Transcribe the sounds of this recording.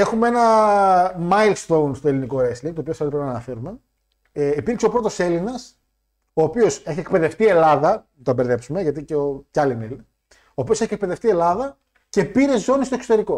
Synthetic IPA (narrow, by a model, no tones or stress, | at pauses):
e̞xumee̞nɐ | mɐilst̪o̞wnst̪oeliniko̞ɾesliŋɡt̪opiosɐoipɾevnɐnɐfe̞ɾume̞ | ipiɾkseopɾo̞t̪o̞se̞linɐs | o̞ːpio̞seçiek̚pe̞ðe̞ft̪ie̞lɐðɐ | t̪obe̞ɾðe̞psume̞ʝɐt̪̬iceocɐlinel | o̞ːpiose̞çiek̚pe̞ðe̞ft̪ie̞lɐðɐ | ce̞piɾe̞zo̞nist̪oe̞ksot̪e̞ɾiko̞